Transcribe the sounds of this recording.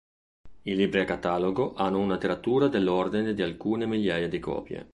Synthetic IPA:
ilibɾɛakat̪aːloɡoʔanːounat̪eɾat̪ːuːɾad̪elːord̪ined̪ialkuːnemiʎjaːjad̪ikɔ̰ːpjḛ

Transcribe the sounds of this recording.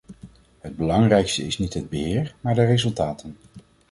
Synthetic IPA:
ɦəd̚bəlɑŋrɛjkstəɪsnitɦəd̚bəɦɪːɹmaːɹdərezɵlˠtaːtʰən

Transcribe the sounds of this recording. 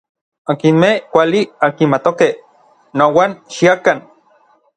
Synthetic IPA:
akinmehkʷaliakinmat̪okeh | nowanʃiakan

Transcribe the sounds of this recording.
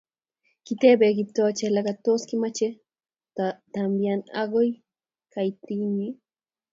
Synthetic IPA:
kɪt̪ebeɡɪp̚t̪oat͡ʃelakat̪oskɪmat͡ʃe | t̪at̪ambjana̰ɢoj | kajt̪iŋmɪ

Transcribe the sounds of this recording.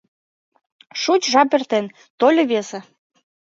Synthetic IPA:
ʃut͡ɕʒɑp̬ert̪en | t̪olʲɤ̆βesĕ

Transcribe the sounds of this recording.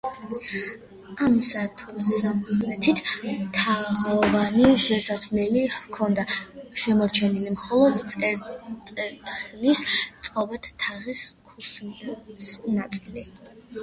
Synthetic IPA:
amsaɾt̪ʰulsaɛt̪ʰit̪ʰmt̪ʰaʁɔvaniʃɛsaslɛlivkʰɔnd̪aʃɛmɔɾt͡ʃʰɛnilimχɔlˠɔd̪t̪ʼɛɛt̪χlist̪sʼqʼɔbɛt̪ʰt̪ʰaʁiskʰus | nat̪sʼili

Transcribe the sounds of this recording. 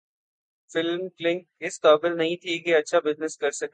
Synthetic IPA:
fɪlmklɪ̃ŋkɪst̪aːbɪlnɐɦĩt̪ʰiɡeɐtːʃʰabɪznɪskɐɾsɐk

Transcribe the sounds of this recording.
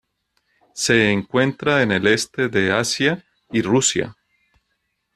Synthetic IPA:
se̞ːŋkwe̞nt̪ɾaene̞le̞st̪e̞ðe̞asja | irusja̰

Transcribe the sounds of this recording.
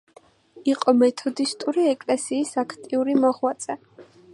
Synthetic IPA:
iqʼɔmɛt̪ʰɔd̪ist̪ʼuɾiɛkʼlɛsiːsakʰt̪ʼiuɾimɔʁwat̪sʼɛ

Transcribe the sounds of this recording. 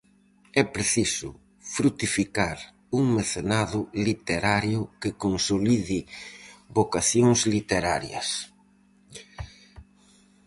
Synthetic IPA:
ɛpɾeθisʊ̰ | fɾut̪ifikaɾ | uŋmeθenaðʊlit̪eɾaɾjʊkɪkonsoliðɪ | bokaθjoŋslit̪eɾaɾjɐ̰s

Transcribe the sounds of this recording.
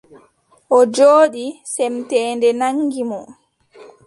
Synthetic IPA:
ʔɔd͡ʒoːɗisɛmtɛːndɛnaŋɡimɔ

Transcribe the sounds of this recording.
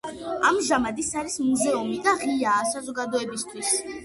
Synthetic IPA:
amʒamad̪isaɾismuzɛumid̪aʁiaːsazɔɡad̪ɔɛbist̪ʰwis

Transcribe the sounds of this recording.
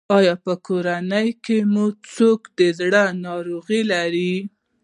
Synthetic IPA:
ɑjɑpəkʰoɾanəjkemut͡sokd̪əzɽənɑɾoɣilaɾi

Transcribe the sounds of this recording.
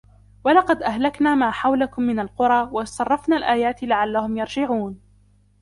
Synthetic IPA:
walɑqɑd̪ʔahlaknaːmaːħawlakʊmːɪnalqʊɾˤɑːwɑsˤɑrˤːɑfnaːlʔaːjaːt̪ɪlaʕalːahʊmjɑɾˤd͡ʒɪʕuːn

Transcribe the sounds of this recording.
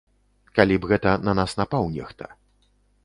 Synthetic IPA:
kalʲibɣɛt̪ɐnɐnasnapawnʲɛ̰xt̪ɐ̰

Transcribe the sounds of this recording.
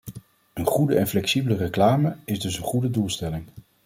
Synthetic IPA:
ənχudəɛnflɛksibələrəklaːməɪzdɵsənχudədulˠstɛlɪŋ

